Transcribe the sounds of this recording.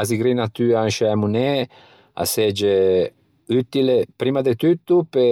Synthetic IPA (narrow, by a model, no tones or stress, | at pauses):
aziɡɾinat̪yanʃaamune | a̰sed͡ʒe | yt̪ilepɾimad̪et̪yt̪ːupe